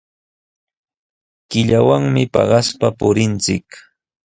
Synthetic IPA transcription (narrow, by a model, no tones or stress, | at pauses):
kɪʎawaŋmɪpɑ̰ɢɑspapʊɾɪnt͡sɪk